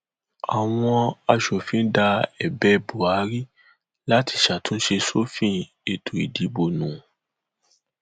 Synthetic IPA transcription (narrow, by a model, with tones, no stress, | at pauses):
a˨w̃ɔ̃˧a˧ʃo˨fĩ˨˦da˧ɛ˨bɛ˦bu˨a˨˦ɾi˦ | la˦ti˧ʃa˨tũ˦n̩˦ʃe˧so˦fĩ˦ | e˨tʰo˨ḭ˨di˨˦bo˨nũ˨